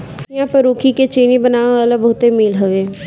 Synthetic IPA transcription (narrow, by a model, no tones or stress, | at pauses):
jãpɐɾoːkʰiket͡ʃiːnibənaːʋɐlabəɦt̪emiːlɦəʋeː